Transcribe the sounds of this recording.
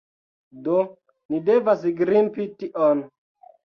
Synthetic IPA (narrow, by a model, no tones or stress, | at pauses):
do | nidevas̬ɡɾimpitiʔon